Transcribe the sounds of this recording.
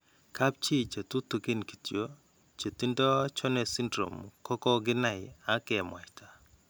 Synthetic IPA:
kʰa˦p̚t͡ʃi˦t͡ʃa˨t̪u˦t̪u˨ɡɪ˦nki̥˨tjo˦ | t͡ʃe˨t̪i˦ndɔ˦t͡ʃɔ˦nɛ˨si˦ndɾo̰˨mkɔ˦kɔ˦ɡɪ˦na˨ɪ˨a˦kɛ˨mwa̰˨jta˨

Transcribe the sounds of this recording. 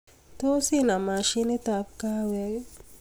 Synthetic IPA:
t̪o˦si˦na˨ma˨ʃi˦ne˦t̪a˨p̚ka˦wɛ˦

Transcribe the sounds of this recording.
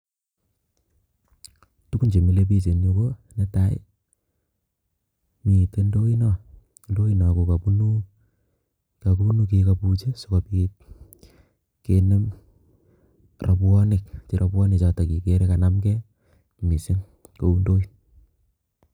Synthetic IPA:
tu˦ku˦nt͡ʃe˨mi˦le˦p̬i˦s̬e˨nɲobo˦ne˦ta˦ḛ | mi˨te˦ndo˦i˦nɔ | ndo˦inɔ˨ko˨ka˨pu˦nu˦ | ka˨kunuk̬ekaput͡ʃe˦sokapi | kene˦m | rapwɔ˦nɪk̚t͡ʃi˨ɾʔapwɔ˦nit͡ʃɔ˨tɔ˨ki˨ke˦ɾekanamkɛ˦ | mi˨se˦ŋ | ko˨u˦ndo˦in

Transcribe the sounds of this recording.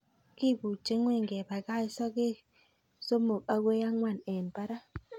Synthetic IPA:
ki˦˨bu˨t͡ʃe˦ŋwe˦˨ŋɡe˨ba˨ka˦i˦sɔ˦ke˦ | so˦mo˨ka˦ɡe˦ja˦ŋwa˦˨nɛ˨npa˦ɾa˦

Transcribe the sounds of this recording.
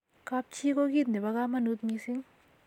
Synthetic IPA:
ka˧p̚t͡ʃʰi˦ko˦ɡi˦˩t̪̚ni˨ba˧ɡa˦mɐ˦˨nu˦t̪̚mi˧si˦ŋ

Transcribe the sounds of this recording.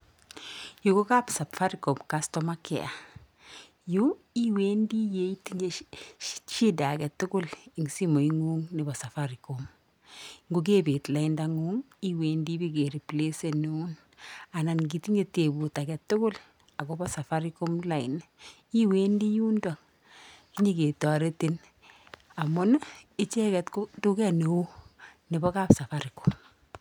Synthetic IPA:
ju˨ko˦ka˦psa˨pfa˦ɾikɔ˨mkastɔma˦kɛ̰˨a˨ | ju | i˦weː˦ndi˦jei˦tiɲe̥˦ | t͡ʃi˦da˨ɡɛ˨tːʊ˦ɡʊ˦lɪ˨ŋsi˦mo˨iŋu˦ŋnɪ˨bɔ˨sa˨faɾikom | ŋɡu˦ɡ̬e˦be˨tla˦indaŋu˦ŋ | i˦weːndi˦bi˦ɡe˨ɾi˨ple˦se˨nun | a˨na˨nɡ̬i˨ti˦ɲe˨te˨bu˨ta˨kɛ˨tːʊ˦kʊ˦l | a˨kɔbɔ˦sa˨fa˦ɾi˦ko˦mla˨i˨n | i˦weː˦ndi˦ju˦ndɔ˨ | ki˦ɲe˦ke˨tɔ˨ɾe˦ti˦n | a˨mʊ˦nɪ˦t͡ʃɛ˦kɛ˨tkʊtu˦kɛ˦ne˨u˦nɪ˨bɔ˦ka˦psa˨fa˦ɾi˨kɔ˨m

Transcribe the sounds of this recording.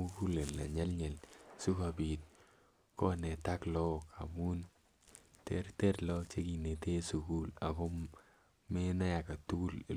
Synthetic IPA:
u˦ku˦le˨lna̰˨ɲɛ˦lɲɛ˨lsu˦ka˨pi˨t̚ | kɔ˦nɛ˨ta˦klɔ˦kʰa̰˨mu˦n | te˦ɾte˦tlɔ˦t͡ʃe˦ki˨ne˨te˦su˨ku˦la̰˨ko˦ | me˦na˦ja˨ka˨tu˦ku˦l

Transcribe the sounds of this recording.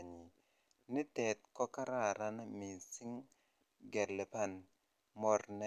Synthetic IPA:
ɲi˨ | nɪ˦tɛ˨t̪̚kɔ˦ka˦ɾa˦˨ɾa˦n˦mi˨nsi˦ŋ | ɡɛ˨lɛ˨pa˦˨n | mɔ˨rnɛ˦

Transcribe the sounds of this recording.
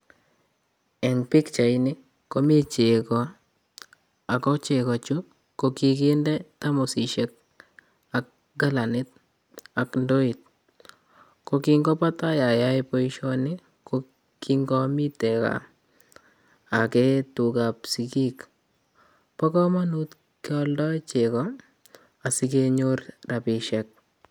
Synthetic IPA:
ɛ˨ŋpi˦kt͡ʃa˨i˦ni˦ | ko˦mi˦t͡ʃe˨kɔ˨ | a˨kɔ˦t͡ʃe˨kɔ˨t͡ʃu˦ | ko˨kike˦ndɛ˦ta˦mu˨si˨ʃe˦k̚ | a˨k̚ | ɡa˦la˨nɪ˦t̚ | a˨kndo˦i˨t̚ | kokiŋɡɔpa˦ta˦ja˨ja˦jpo˦iʃɔnɪ | ko | kiŋɡɔ˦mi˦tɛka̰ | akɛtu˨kapsiki˦k | pɔ˦kɔ˦ma˦nut | kɔldɔ˦jt͡ʃekɔ | a˨si˦keɲoɾra˨pɪ˨ʃɛk̚

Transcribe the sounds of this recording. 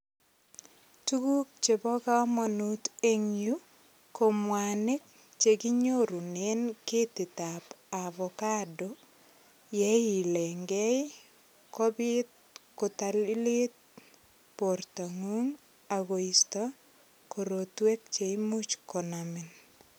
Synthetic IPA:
tu˦ku˦k̚t͡ʃe˨bɔ˦ka˦mɔ˨nu˦te˦ŋju˦ | ko˨mwanɪ˦k̚ | t͡ʃe˨ki˦ɲo˦ɾu˨ne˦nkɪ˦tɪ˨ta˨pa˨βɔka˦do | jɛ˦i˨le˨ŋɡɛ˦j | ko˦bi˦t̚ | ko˨talli˦t̚ | po˨rta˨ŋu˦ŋ | a˨ɣo˨istɔ˦ | ko˨ɾotwe˦k̚t͡ʃeimu˦t͡ʃko˨namɪn

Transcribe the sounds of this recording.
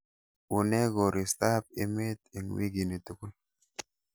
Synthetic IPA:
u˨nɛ˦ɡɔ˨ɾi˨st̪a˦p̚e˦me˦t̪e˨ŋwi˦ɡi˨ne˨t̪u˨ku˦l

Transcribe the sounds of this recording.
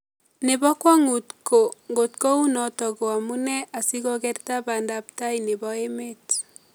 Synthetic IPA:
ne˨βɔ˦kwɔ˦ŋu˨tko˨ŋɡo˨tko˦u˦nɔ˨tɔ˨ɣo˨a˨mu˦nɛ˦ʔa˨si˦ɣɔ˦ɡɛ˦rta˦ba˨ndapta˦ine˨bɔe˦met

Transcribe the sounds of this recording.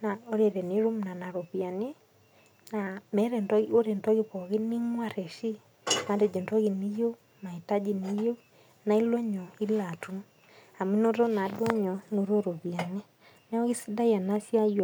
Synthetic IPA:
na˨o˦ɾe˨ɾɛ˨ne˦ɾu˦mna˨na˨ɾo˨βja˨ne˦ | na˨mɛ˦ɾɛ˨ntɔo˦ɾe˨ntɔ˦ɣe˦βɔ˨ɣe˦ni˦ŋwa˦ɾɛ˨ʃi˦ | ma˦ndɛ˨d͡ʒɔ˨ntɔ˦ɣi˨ni˦jo˦ | ma˨i˨ta˦d͡ʒi˨ni˨jo˦ | na˨i˦lɔ˦ɲɔ˨i˦la˨tu˦m | a˨mwi˦no˦ɾɔ˦na˨dɔ˦ɲɔ˨no˨ɾo˦ɾo˨βja˨nɛ˦ | nɛ˦ɔ˦ɣi˦si˦da˦ja˨na˦sja˦jo˨

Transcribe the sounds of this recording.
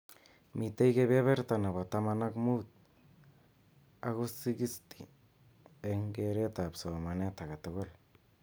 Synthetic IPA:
mi˨te˦jkeβe˦βɛ˦rta˨na˨βɔ˨ta˨mana˦kmu˦t̚ | a˦ɣu˦si˦ɡi˦sti˨ | e˨ŋɡeɾe˦ta˨psɔ˨ma˨nɛ˦ta˨ɣa˨toɣol

